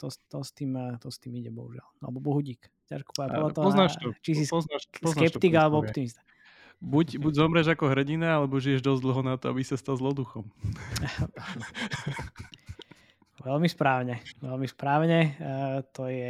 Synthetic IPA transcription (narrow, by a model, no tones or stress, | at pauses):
t̪ɔt̪ɔst̪iːmt̪ɔst̪iːmiɟɛbɔ̰ɦuʒɪa̰lalɛbɔbɔɦuɟiːk | ca̰ʃku̥pɔɛapɔlat̪ɔɦɔznat͡ʃisisɔaɔznɛppt̪iɡalɛbɔɔpt̪imist̪a | bucbuɟzɔmɾɛʒakɔɦɾɛɟinaalɛbɔʒijɛʒd̪ɔzd̪l̩ˠɦɔnat̪ɔabisast̪alzlɔd̪uxɔm | ʋɛlmispɾaːʊɲɛʋɛlmispɾaːʊɲɛt̪ɔjɛ